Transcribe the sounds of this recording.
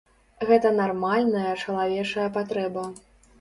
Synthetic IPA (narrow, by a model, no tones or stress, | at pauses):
ɣɛt̪ɐnarmalʲnɐjɐt͡ʂɐlˠavʲɛt͡ʂɐjɐpat̪ɾɛbɐ